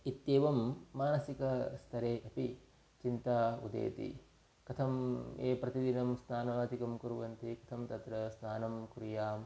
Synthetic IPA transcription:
it̪jeːʋɐmːaːnɐsikɐst̪ʰɐɾeːʔɐpi | t͡ʃint̪aːṵd̪ḛːt̪ḭ | kɐt̪ʰɐmeːpɾɐt̪id̪inɐmst̪ʰaːnɐʋaːd̪ikɐmkuɾuʋɐnt̪ikɐ̥t̪ʰɐmt̪ɐt̪ɾɐst̪ʰaːnɐmkɾijaːm

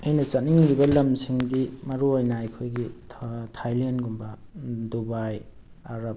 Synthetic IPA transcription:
ɐjnɐt͡ʃaniŋlibɐlɐmsiŋdimɐɾuojnaːjkʰojɡitʰtʰajlanɡumbadubaj | aɾap̚

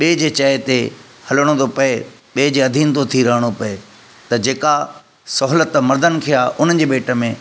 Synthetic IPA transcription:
ɓeːd͡ʑeːt͡ɕɐɦet̪e | hɐləɽ̃õt̪opɐeɓeːd͡ʑeːɐd̪ʱiːnt̪ot̪ʰiɾɐɦəɽ̃opɐe | t̪ɐd͡ʑeːka | sɔɦlət̪mɐɾd̪ən̆kʰijaʔʊn̤ən̆d͡ʑeːɓeːʈə̆mẽ

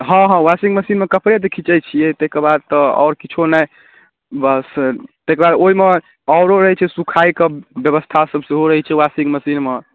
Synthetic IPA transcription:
ɦɔ̃ɦɔ̃wasiɡməsinmekəpɾed̪ekʰit͡ʃəjt͡ʃʰijɛt̪ekəɾbad̪̚t̪ɔɔ̰ʊɾkit͡ʃʰonə | bəst̪ekɾbad̪oime | ɔʊɾoɾəɦɛt͡ʃʰɛsukʰajkebjəβəst̪ʰasəbseɦoɾəɦɛt͡ʃʰɛwasiŋɡməsinme

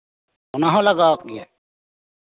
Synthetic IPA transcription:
ɔnaɦɔlaɡak̚ːija

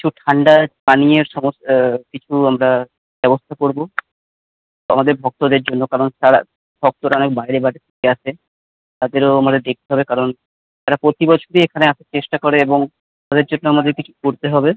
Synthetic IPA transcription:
ki̥t͡ɕʰuʈʰaɳɖapanieɾʃɔmost̪kit͡ɕʰuamɾa | b̥ɛbost̪ʰakoɾbo | a̰mad̪eɾbʱɔk̚t̪od̪eɾd͡ʑonːokaɾonʃaɾa̰ | bʱɔk̚t̪oɾaɔnek̚bajɾebaʈet̪ʰe̥keat͡ɕʰe | t̪ad̪eɾoamad̪eɾd̪ek̚t̪eɦɔbekaɾon | t̪aɾapɾot̪ibɔt͡ɕʰoɾiekʰaneaʃʰaɾt͡ɕeʃʈakɔɾeeboŋ | t̪ad̪eɾd͡ʑonːoamad̪eɾkit͡ɕʰu̥koɾt̪eɦɔbe

